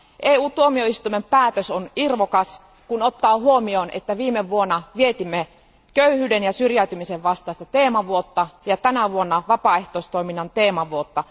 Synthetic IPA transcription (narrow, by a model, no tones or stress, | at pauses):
ʔeːuːt̪uomioist̪uimempæːt̪øsonirʋokɑs | kunot̪ːɑːhuomionḛt̪ːæʋiːmeʋʋuonːɑʋiet̪imːe | køyhyːdenjɑsyrjæyt̪ymiseʋʋɑst̪ˑɑˑist̪ɑt̪eːmɑʋuot̪ːɑjɑt̪ænæʋuonːɑʋɑpɑˑeht̪oˑist̪oiminːɑnt̪eːmɑʋuot̪ːɑ